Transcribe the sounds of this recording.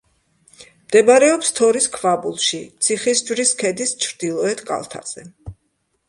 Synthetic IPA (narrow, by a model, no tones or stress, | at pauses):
md̪ɛbaɾɛɔpst̪ʰɔɾiskʰvabulˠʃit̪sʰiχisd͡ʒwɾiskʰɛd̪ist͡ʃʰɾd̪ilˠɔɛt̪ʰkʼa̰lˠt̪ʰa̰z̥ɛ